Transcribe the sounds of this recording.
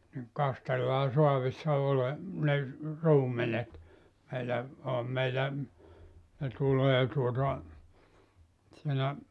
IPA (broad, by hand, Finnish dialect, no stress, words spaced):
niŋ kɑstelːɑː soɑʋisːɑ ole ne ruːmenet meilæ ohɑm meilæ ne tuleː tuotɑ siːnæ